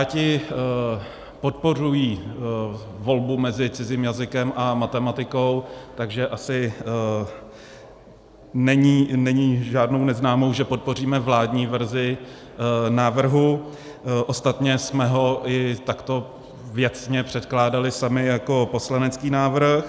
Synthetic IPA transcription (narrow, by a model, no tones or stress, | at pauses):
jaːcɪ | po̞t̪̚po̞r̝ujiː | vo̞lbumɛzɪt͡sɪziːmjazɪkɛmʔamat̪ɛmat̪ɪko̞wt̪aɡʒɛʔasɪ | nɛɲiːnɛɲiːʒaːdno̞wnɛznaːmo̞wʒɛpo̞t̪̚po̞r̝iːmɛvlaːdɲiːvɛɾzɪ | naːvr̩ɦu | ʔost̪at̪ɲɛsmɛɦo̞ʔɪt̪akt̪o̞ | vjɛt͡sɲɛpr̝̥ɛt̪klaːdalɪsamɪjako̞po̞slanɛt͡skiːnaːvr̩x